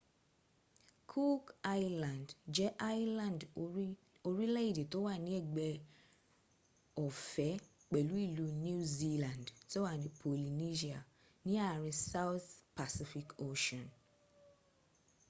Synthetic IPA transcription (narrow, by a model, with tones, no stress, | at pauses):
kʰu˦ka˦jlã˨ndd͡ʒɛ˨˦ʔa˦jlã˨nd | o˧ɾi˦lɛ˦i˦˨de˨to˦wa˦˨nĩ˨˦ɛ˦˨ɡ͡bɛ˧ | ɔ˨fɛ˨˦k͡pɛ˨lu˨˦i˦˨lu˨˦nũ˦zi˧lã˨ndti˦o˦wa˦˨nĩ˨˦pʰo˨li˨ni˦ʃi˦a˨ | nĩ˦a˦˨ɾ̃ĩ˧sa˦wθpa˨si˦fi˧˨ko˦ʃɔ̃˨n